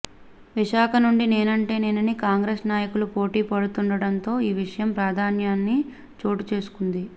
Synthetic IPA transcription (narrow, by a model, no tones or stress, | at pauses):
ʋiʃaːkʰɐnuɳɖine̞ːnɐɳʈe̞ːne̞ːnɐnikaːŋɡɾe̞ːsnaːjɐkulupo̞ːʈiːpɐɽut̪uɳɖɐɽɐnt̪o̞ːiːʋiʂɐjɐmpɾaːd̪ʱaːnjaːnːi | t͡ʃo̞ːʈut͡ʃe̞ːsu̥kund̪i